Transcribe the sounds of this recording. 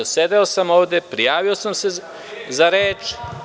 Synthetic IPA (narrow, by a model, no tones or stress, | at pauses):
sed̪eosamo̞ːʋd̪epɾijaːʋiosamse | zaɾeːt͡ʃ